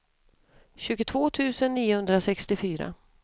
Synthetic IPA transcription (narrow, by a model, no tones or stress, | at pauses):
ɕʉ̟ːɡʊt̪ʰvoːt̪ʰʉ̟ːsənːiːʊhɵnd̪ɾasɛkst̪ɪfyːɾa̰